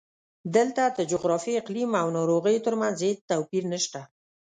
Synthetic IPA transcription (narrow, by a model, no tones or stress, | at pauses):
d̪əlt̪ad̪əd͡ʒʊɣɾɑfiɪqlimawnɑɾoɣəjot̪əɾmanzed̪̚t̪awpiɾnəʃt̪a